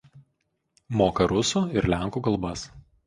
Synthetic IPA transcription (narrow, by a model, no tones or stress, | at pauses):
moːkɐɾʊsuːɪɾlʲæˑŋˑkuːkɐlˠˑbɐs